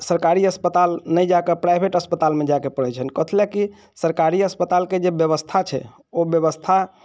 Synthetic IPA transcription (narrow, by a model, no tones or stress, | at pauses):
səɾkaɾiəspət̪alnəjd͡ʒakepɾajbʱeʈəspət̪almed͡ʒakepəɽɛt͡ʃʰənkət̪ʰleki | səɾkaɾiəspət̪alked͡ʒebjəβəst̪ʰat͡ʃʰɛ̰ | objəβəst̪ʰa